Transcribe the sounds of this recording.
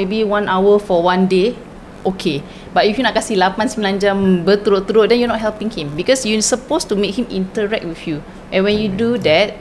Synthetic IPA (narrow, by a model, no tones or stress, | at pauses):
ebiwãnʔawəfɔwãnde | ʔokʰe | bat̚ifjunɔʔ̚kasilapãnsimlãnd͡ʒãmbət̪uɾot̪uɾoʔ̚dɛ̃njunɔt̚ɦɛlpĩŋhĩmbikɔsjusəpostumek̚hĩmḭ̃ntəɹɛk̚t̚wifju | ʔɛ̃nwɛ̃njududɛt̚